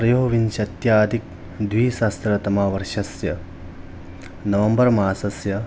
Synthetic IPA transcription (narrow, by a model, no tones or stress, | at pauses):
pɾɐjoːʋinʃɐt̪jaːd̪ʱik̚ | d̪ʋiːsaːst̪ɾɐt̪ɐmaːʋɐɾʃɐsjɐ | nɐʋɐmbɐɾmaːsɐsjɐ